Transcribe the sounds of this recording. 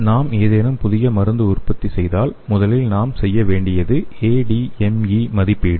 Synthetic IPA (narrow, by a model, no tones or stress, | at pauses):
naːmeːðeːnɐmpʊðɪɣɐmɐɾɯnd̪ɯʊrpɐt̪ːisɛjðaːlmʊðɐlɪlnaːmsɛjːɐʋeːɳɖɪjɐðɯeːɖiɛmiːmɐðɪpːiːɽɯ